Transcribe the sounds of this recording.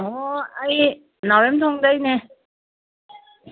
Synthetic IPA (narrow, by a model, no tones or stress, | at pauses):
ɔaj | nɔwemt̪ʰɔŋd̪ajne